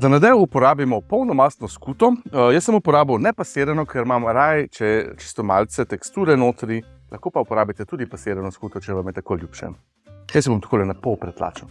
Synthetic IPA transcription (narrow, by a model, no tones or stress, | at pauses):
zanad̪ɛjupɔɾaːbimɔpɔwnɔmast̪nɔskut̪ɔjəsːəmupɔɾaːbəwnɛpaseːɾɛnɔkʰɛɾmamɾajt͡ʃɛt͡ʃi̥st̪ɔma̰lt̪sɛt̪ɛkst̪uːɾɛnoːt̪ɾi | lʔaxkoːpaupɔɾaːbit̪ɛt̪uːd̪ipaseːɾɛnɔskuːt̪ɔt͡ʃɛʋamjɛt̪akoljuːpʃɛ̰ | jəsjbomt̪kolɛnapɔwpɾɛt̪la̰ːt͡ʃɛn